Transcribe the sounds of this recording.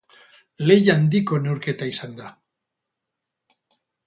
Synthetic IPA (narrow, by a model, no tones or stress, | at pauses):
le̞jand̪iko̞ne̞wɾke̞t̪aisand̪a